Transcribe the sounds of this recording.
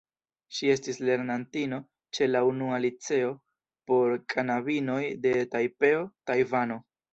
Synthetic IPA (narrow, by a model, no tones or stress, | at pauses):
ʃie̞stisle̞ɾnantino̞ | t͡ʃe̞launualit͡se̞o̞ | po̞ɾkʰanabino̞jde̞tajpe̞o̞tajvano̞